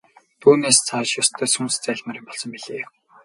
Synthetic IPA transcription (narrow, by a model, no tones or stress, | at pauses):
t̪ʰuːneːst͡sʰaːʃjɔst̪ʰœːsumst͡sæːɮʲmăɾiːpɔɮsɞ̆mpiɮeː